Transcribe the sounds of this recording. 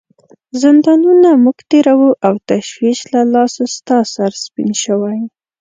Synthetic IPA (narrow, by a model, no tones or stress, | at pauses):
zɪnd̪ɑnunamuɡt̪eɾawuʔawt̪aʃwiʃlalɑsast̪ɑsaɾspḭnʃəwaj